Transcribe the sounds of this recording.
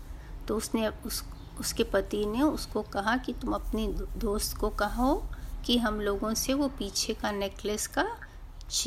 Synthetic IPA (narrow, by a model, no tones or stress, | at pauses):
t̪oʊsneʊ | ʊskepɐt̪ineʊskokɐɦakit̪ʊmɐpnid̪oːst̪kokɐɦokiɦɐmloːɡõseʋopiːt͡ʃʰekaneːkləska | t͡ʃ